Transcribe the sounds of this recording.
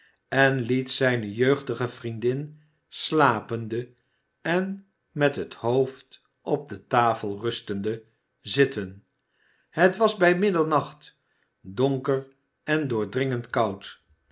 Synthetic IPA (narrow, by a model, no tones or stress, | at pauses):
ɛnlitsɛjnəjøɥχdəχəvrindɪn | slaːpəndə | ɛn | mɛtɦəthowft | ʔɔp̚dətaːfəlˠrɵstəndə | zɪtən | hətʋɑzbɛjmɪdəlˠnɑχt | dɔŋkər | ɛndʊːɹdrɪŋəntkɑwt